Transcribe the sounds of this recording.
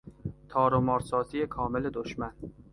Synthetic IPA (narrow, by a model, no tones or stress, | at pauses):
t̪ʰɒːɾomɒɾsɒːt̪ʰijekʰɒːmeled̪oʃman